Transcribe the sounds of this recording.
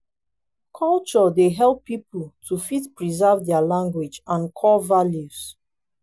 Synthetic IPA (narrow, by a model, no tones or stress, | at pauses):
kʰɔlt͡ʃɔdeɦɛlˠpːipʰəltʰufitpɹizɜvdɛalãŋɡwid͡ʒãnkʰɔlvaljus